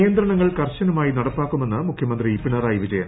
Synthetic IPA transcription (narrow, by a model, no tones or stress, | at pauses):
jɐnd̪ɾɐɳɐŋːɐɭkɐrɕɐnumaːjinɐɽɐpːaːkːume̞nːɐmukʰjɐmɐnd̪riipːiɳɐɾaːjiʋid͡ʑɐjɐm